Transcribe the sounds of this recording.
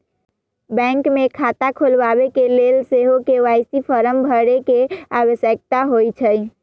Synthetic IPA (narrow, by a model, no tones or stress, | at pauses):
bɛ̃ŋkmekʰat̪akʰulʋabekelelseɦokeʋajsipʰəɾəmbʱəɽekea̰wəsjək̚t̪aɦojt͡ʃʰəj